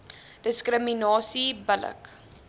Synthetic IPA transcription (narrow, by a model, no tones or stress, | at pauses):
d̥əskrəminɑːsibələ̰k